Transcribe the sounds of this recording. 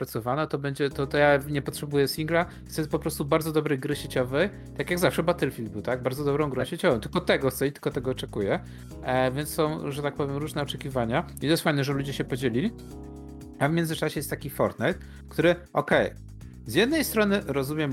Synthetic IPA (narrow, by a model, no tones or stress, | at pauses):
pɾat̪sɔvanɔt̪ɔbɛɲd͡ʑɛt̪ɔt̪ɔjaɲɛpɔtʂɛbujɛsʲiŋɡla | t̪ɔjɛst̪pɔpɾɔst̪ubaɾd̪zɔd̪ɔbɾɛjɡɾɘɕet͡ɕɔvɛj | t̪akʲjaɡzafʂɛbat̪ɛlfʲild̪bɘwt̪aɡ̚baɾd̪zɔd̪ɔbɾɔ̃w̃ɡɾɛ̃ɕet͡ɕɔvɛmt̪ɘlkɔt̪ɛɡɔxt̪sɛit̪ɘlkɔt̪ɛɡɔːt͡ʂɛkujɛ | vʲjɛnssɔ̃w̃ʐɛt̪ak̚pɔvʲjɛmɾuʐnɛɔt͡ʂɛkʲivaɲait̪ɔjɛst̪fajnɛʐɛlud͡ʑɛɕɛpɔd͡ʑelʲilʲi | avmʲɛnzɘt͡ʂaɕɛjɛst̪akʲifɔɾt̪nɛjt̪̚ | kt̪uɾɘʔɔkɛj | zʲjɛd̪̚nɛjst̪ɾɔnɘɾɔzumʲjɛm